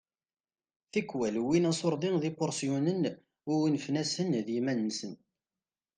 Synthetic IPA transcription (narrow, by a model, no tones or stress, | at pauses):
θikːwælwinæsˤoɾˤðˤiŋðipʊɾsjunən | ʊinfnæsənðjimænːsən